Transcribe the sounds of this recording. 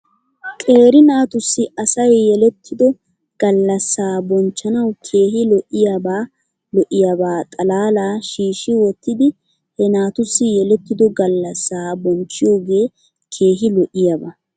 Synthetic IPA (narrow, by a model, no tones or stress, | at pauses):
kʼe̞ːɾɪnaːt̪ʊsːɪɐsɐjːɛlɛt̪ʰːɪd̪ɔ | ɡ̥ɐlːɐsːaːbɔnt͡ʃːɐnɐwkʰeːɦɪlɔʔɪjabaː | lɔʔɪjabaːt̪ʼɐlaːlaːʃiːʃɪwɔt̪ːɪd̪ɪ | hɛnaːt̪ʊsːɪjɛlɛt̪ːɪd̪ɔɡɐlːɐsːaːbɔnt͡ʃːɪjo̞ːɡe̞ː | kʰe̞ːɦɪlɔʔɪjabɐ